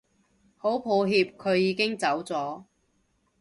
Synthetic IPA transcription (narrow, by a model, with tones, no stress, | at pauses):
ho˨˥wpʰo˨˧wɦiː˧p̚kʰɵ˨˧ɥjiː˨˧kɪ˥ŋt͡sɐ˨˥wt͡sɔː˨˥